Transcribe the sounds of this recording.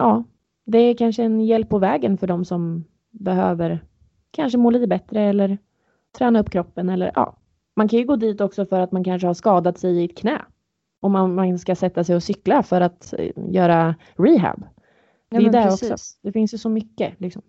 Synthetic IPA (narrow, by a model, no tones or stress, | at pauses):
ʔɑː | d̪ɛːɾkʰanʂəɛnjɛlpːɔvɛːɡənfœɖɔmsɔm | bɛɦøːvəɾ | kʰanʂəmoːliːt̪əbɛt̪ɾəɛlːəɾ | t̪ʰɾɛːnaɵpːkʰɾɔpːənɛlːə̰ɾʔɑ̰ː | mankʰanjɵɡoːd̪iːt̪ɔksɔfœɾat̪mankʰanʂ̬əhaʂkɑːd̪at̪sɛjɪɪt̪̚kʰnɛ̰ː | ʔɔmːanmanskasɛt̪ːasɛjɔsʏklafœɾat̪jœːɾa | ɾiːɦæ̰b | d̪ɛjd̪ɛɔksɔ̰d̪ɛfɪnsjsɔmʏkːəlɪksɔm